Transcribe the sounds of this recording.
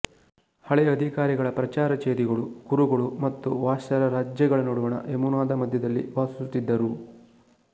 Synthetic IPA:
hɐɭɛjɐɐd̪ʱikaːɾiɡɐɭɐpɾɐt͡ʃaːɾɐt͡ʃeːɾiɡɐɭuɡuɾuɡɐɭumɐt̪ːuʋaːʃɐɾɐɾaːd͡ʒjɐɡɐɭɐnoːɽuʋɐɳɐ̰ʔemunaːd̪ɐmɐd̪ʱjɐd̪ɐlːḭʋaːsust̪ːid̪ːɐɾu

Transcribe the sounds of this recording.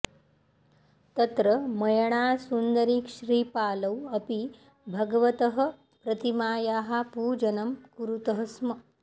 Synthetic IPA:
t̪ɐt̪ɾɐmɐjɐɳ̃aːsund̪ɐɾiːkʃɾiːpaːlɐwɐpi | bʱɐɡʋɐt̪ɐɦɐ̆ | pɾɐt̪imaːjaːɦapuːd͡ʒɐnɐmkuɾut̪ɐɦɐsmɐ

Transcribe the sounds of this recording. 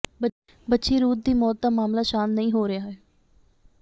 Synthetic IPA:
bə | bətːʃeːɾuːt̪̚d̪iːmɔːt̪̚d̪aːmaːmlaːʃaːnnəɦĩːɦoːɾɪjaːɦɛː

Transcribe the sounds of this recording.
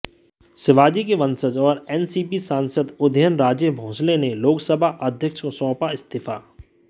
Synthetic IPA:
sɪʋaːd͡ʒikeʋɐ̃nsəd͡ʒɔːɾɛːnsiːpisãːnsəd̪ʊd̪ʱəjənɾaːd͡ʒjebʱõːsleneloːksəbʱaʔəd̪ʱjəkʃosɔ̃ːpaɪst̪ɪfa̰ː

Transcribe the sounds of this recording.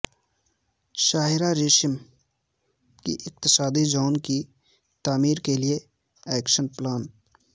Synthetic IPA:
ʃaːɦɪɾaɾɪʃɪm | kḭʔɪq̚t̪ɪsaːd̪id͡ʒaːnki | t̪aːmiːɾkelie | ɛːkʃənplaːn

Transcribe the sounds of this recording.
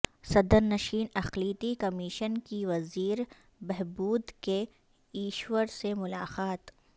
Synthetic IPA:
sɐd̪əɾnɐʃiːnɐxliːt̪ikɐmiʃənkiʋɐziːɾ | bɛɦbuːd̪ke | iːʃwəɾsemʊlaːqaːt̪

